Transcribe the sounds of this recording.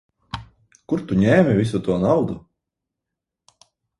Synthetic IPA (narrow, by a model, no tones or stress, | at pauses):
kuɾt̪uɲʲɛːmʲɛvʲis̬ut̪uɔnawd̪u